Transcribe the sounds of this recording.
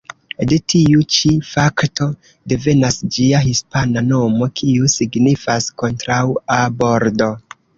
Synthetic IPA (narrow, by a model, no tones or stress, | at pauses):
detʰiut͡ʃifaktʰo̞ | de̞ve̞nasd͡ʒiahispanano̞mo̞kʰiusiɡnifasko̞ntɾawabo̞ɾdo̞